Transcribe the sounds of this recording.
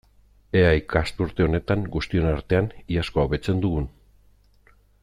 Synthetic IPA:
eajkast̪uɾt̪e̞o̞ne̞t̪aŋɡust̪io̞naɾt̪e̞aniasko̞awβe̞t͡se̞nd̪uɣun

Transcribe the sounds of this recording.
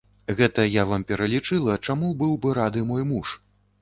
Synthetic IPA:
ɣɛt̪ɐjavampʲɛɾɐlʲit͡ʂɨlˠɐt͡ʂamubɨwbɨɾad̪ɨmɔjmuʂ

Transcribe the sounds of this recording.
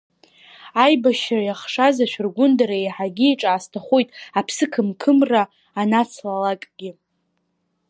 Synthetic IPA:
ajbaʃrajaχʂazaʃʷᶣrɡʷʊndaɾaejħaɡʲiiʈ͡ʂʼaːstʰaχʷojtʼapʰsɨkʰɨmkʰɨmraː | nat͡sʰlalakʼɡʲɪ

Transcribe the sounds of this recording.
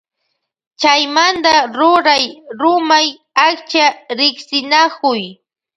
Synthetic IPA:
t͡ʃajmand̪aɾʊɾajɾʊmaj | akt͡ʃaɾɪksɪnakʊj

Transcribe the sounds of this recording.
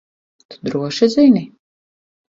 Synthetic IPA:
t̪u̥d̪ɾuɔʃizini

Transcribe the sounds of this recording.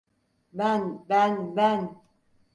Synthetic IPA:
banbanban

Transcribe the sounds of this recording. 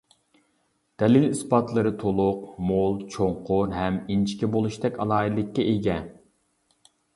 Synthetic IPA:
d̪̥ɛlɪlispɑt̪lˠɨɾɨt̪ʰolˠʊqmolˠt͡ʃʰoɴqʰʊɾɦɛmint͡ʃʰi̥kʲɛbolˠuʃt̪ɛkʲɑlˠɑːid̪lɪkʲːɛʔeɡʲɛ

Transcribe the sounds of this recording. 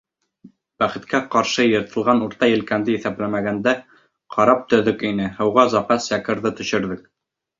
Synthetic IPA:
b̥æχɘ̆t̪kæqɑɾʃɤjɤ̆ɾt̪ʰɤ̆lˠʁɑnuɾt̪ɑjɘ̆lkænd̪ɘjɘθæplæmæɡænd̪æ | qʰɑɾɑp̚t̪ɵ̆ðɵkinɘhɤ̆wʁɑzɑfæsjækɘ̆ɾðɤt̪ɵ̆ʃɘ̆ɾðɘk̚

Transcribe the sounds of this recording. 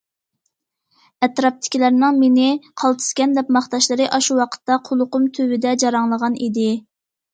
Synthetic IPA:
ɛt̪ɾɑp̚t̪ʰɪ̥kʲʰilæɾnɪŋmenɪqʰɑlˠt̪ʰɨ̥skʲɛnd̪ɛp̚mɑχt̪ɑʃlˠɨɾɨʔɑʃuwɑqʰə̥t̪ːɑqʰolˠʊqʊmt̪ʰøwɪd̪ɛd͡ʒɑɾɑŋlˠəʁɑnid̪ɪ

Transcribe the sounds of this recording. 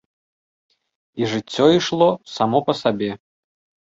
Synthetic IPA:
iʐɨt͡sʲːɔiʂlˠɔsamɔpɐsabʲɛ

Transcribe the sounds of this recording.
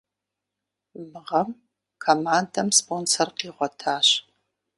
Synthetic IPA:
mɨʁɐm | kʰoːmaːndɐmspoːnsɐrqiːʁʷɔtʰaːɕ

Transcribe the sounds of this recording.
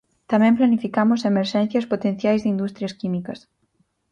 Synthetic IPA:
t̪amɛ̃mplanifikamosemeɾʃɛ̃n̟θjɐspot̪ẽn̟θjajzðɪind̪ust̪ɾjɐskimikɐs

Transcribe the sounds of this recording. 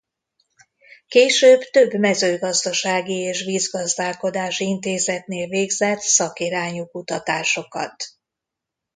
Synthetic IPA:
keːʃøːbt̪ø̞bmɛzøːɡɒzd̪ɒʃaːɡieːʃʋiːzɡɒzd̪aːlko̞d̪aːʃint̪eːzɛt̪neːlveːɡzɛt̪sɒkiɾaːɲukut̪ɒt̪aːʃo̞kɒ̰t̪

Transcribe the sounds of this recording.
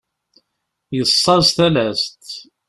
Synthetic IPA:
jəsˤːɑzθælæst̪

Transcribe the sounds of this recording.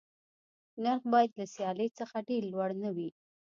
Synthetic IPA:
naɾxbɑjad̪lasjɑlet͡səxaɖeɾlwaɽnawi

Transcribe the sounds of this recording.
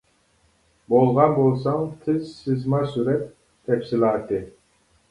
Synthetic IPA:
bolˠʁɑnbolˠsɑŋt̪ʰɪzsɪzmɑsyɾɛt̪ʰː | ɛfsilˠɑːt̪ʰɨ

